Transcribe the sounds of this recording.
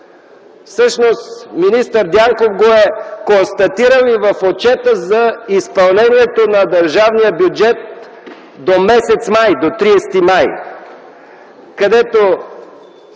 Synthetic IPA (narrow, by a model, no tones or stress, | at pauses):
fsɤʃnost̪minist̪əɾd̪ʲjaŋkofɡoɛkonst̪ɐt̪iɾəlˠivəfot͡ʃɛt̪əzɐispɐlˠnɛnʲiɛt̪onɐd̪ɐɾʒavnijəbjud͡ʒɛt̪̚ | d̪omɛsɛt̪smajd̪ot̪ɾiɛst̪imaj | kɐd̪ɛt̪o